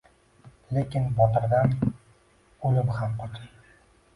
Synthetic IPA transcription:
lekʲɪnbɒt̪ɪɾd̪an | olɪphamqʰɒt̪ʰɪŋ

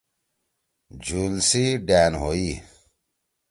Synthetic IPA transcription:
d͡ʑunsiɖaːnɦoi

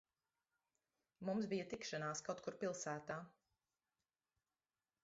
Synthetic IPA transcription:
mumsbijət̪ikʃanaːskawt̪̚kuɾpilˠsæːt̪aː

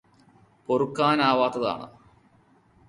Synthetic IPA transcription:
porukːaːnaːʋaːt̪ːɐða̰ːɳɨ̰

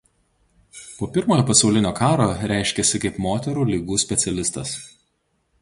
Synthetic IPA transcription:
poːpʲɪɾmoːjoːpɐsɒʊlʲɪnʲoːkɑːɾoːɾʲæˑɪʃʲkʲɛsʲɪkɐɪpmoːt̪ʲɛɾuːlʲiːɡuːsʲpʲɛt̪sʲɛlʲɪst̪ɐs

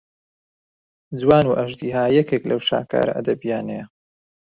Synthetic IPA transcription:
d͡zwaːnuʔɐʒd̪iːɦaːjɛkʰeːklɐwʃa̰ːka̰ːɾa̰ʔɐ̰d̪ɐbijaːnejɐ

